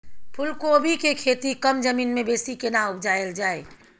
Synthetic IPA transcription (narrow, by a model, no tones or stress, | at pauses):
pʰʊlkobʱikekʰet̪ikəmd͡ʒəmiːnmebeːsikenaʊbd͡ʒaeld͡ʒaːe